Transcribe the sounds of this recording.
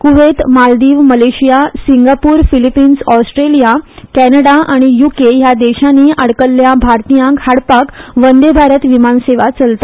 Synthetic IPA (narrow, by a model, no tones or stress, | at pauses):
kuʋet̪mald̪iːʋməleɕijasiŋɡapuːɾfilipiːnsɔsʈɾelijakɛnəɽaʔaɽ̃ijukejad̪eɕãniːʔəɽkəlːjabʱaɾt̪ijãkhaɽpakʋənd̪ebʱaɾət̪ʋimanseʋat͡səlt̪ḁ